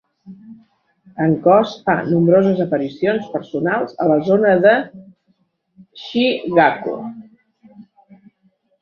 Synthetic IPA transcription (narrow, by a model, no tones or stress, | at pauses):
əŋkɔsfa̰numbɾozəzəpəɾisionspəɾsunalˠzələzonəðə | ʃiɣakṵ